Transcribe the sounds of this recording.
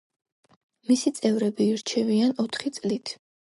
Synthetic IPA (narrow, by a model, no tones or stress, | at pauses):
misit̪sʼɛvɾɛbiːɾt͡ʃʰɛvianɔt̪ʰχit̪sʼlit̪ʰ